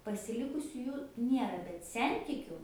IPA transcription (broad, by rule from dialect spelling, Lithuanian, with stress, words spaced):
pɐsʲɪˈlʲɪkʊsʲʊ ˈjuː ˈnʲiɛrɐ bʲɛt ˈsʲɛnʲtʲɪkʲʊ